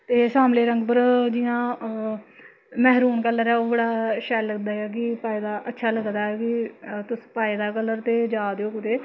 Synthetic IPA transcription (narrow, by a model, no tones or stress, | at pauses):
t̪eːsaːmleːɾəŋɡpəɾd͡ʒɪãː | mɛːɦɾuːnkələɾɛːoːbəɽaːʃɛːlːəɡd̪aːɛːk̬ɪpaːiːd̪aːʔətːʃʰaːləɡd̪aːɛːkɪt̪ʊspaːiːd̪aːkələɾt̪eːd͡ʒaːd̪eoːkʊt̪eː